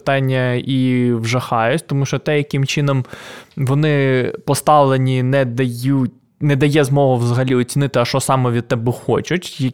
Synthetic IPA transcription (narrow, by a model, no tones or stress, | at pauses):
t̪ɑnʲːɐiʋʒɐxɑjʊtʲt̪ɔmuʃt͡ʃɔt̪ɛjɐkɪmt͡ʃɪnɔmʋɔnɪpɔst̪ɑʋlˠenʲinɛd̪ɐjutʲ | nɛd̪ɐjɛzmɔɦʊʋzɐɦɐlʲiɔt͡sʲinɪt̪ɪɐʃt͡ʃɔsɑmɔʋʲid̪̚t̪ɛbɪxɔt͡ʃʊtʲjɐ